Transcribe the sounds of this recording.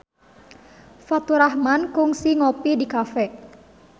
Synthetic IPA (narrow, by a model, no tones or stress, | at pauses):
fat̪uɾahmankʊŋsiŋopidikafɛ